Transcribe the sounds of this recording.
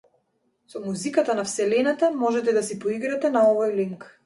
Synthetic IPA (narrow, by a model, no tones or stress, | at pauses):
sɔmuzikat̪anafsɛlɛnat̪amɔʒɛt̪ɛd̪asipɔiɡɾat̪ɛnaɔvojliŋk